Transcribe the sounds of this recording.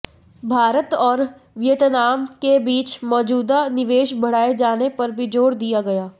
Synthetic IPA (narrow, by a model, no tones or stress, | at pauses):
bʱaːɾət̪ɔːɾ | ʋɪjət̪naːmkebiːt͡ʃmɔːd͡ʒuːd̪anɪʋeːʃbʱəɽaːed͡ʒaːnepəɾbʱid͡ʒoːɽd̪ɪjaːɡəjaː